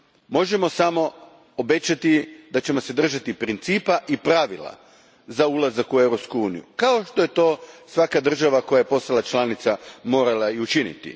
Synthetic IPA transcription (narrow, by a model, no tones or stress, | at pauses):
mo̞ʒe̞mo̞samo̞ | obe̞t͡ɕat̪id̪at͡ɕe̞mo̞se̞d̪r̩ʒat̪ipɾint̪siːpaʔipɾaːʋilˠa̰ | zaulazakuewɾo̞pskuuːnijṵkao̞ʃt̪o̞je̞t̪o̞ːsʋakad̪r̩ʒaʋako̞jaje̞po̞st̪alˠat͡ʃlanit̪samo̞ːɾalaiut͡ʃinḭt̪ḭ